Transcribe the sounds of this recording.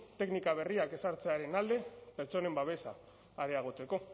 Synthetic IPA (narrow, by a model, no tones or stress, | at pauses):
t̪e̞knikaβ̞e̞riake̞saɾt͡se̞aɾe̞nald̪e̞pe̞ɾt͡so̞ne̞mbaβe̞sa̰ː | ɾe̞aɣ̞o̞t͡se̞ko̞